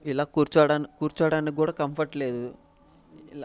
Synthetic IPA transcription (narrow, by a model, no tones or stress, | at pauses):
ilaːkuːɾt͡ʃaːɽaːnikuːɾt͡ʃaːɽaːnikikuːɽaːkɐmpʰɐɾʈle̞ːd̪u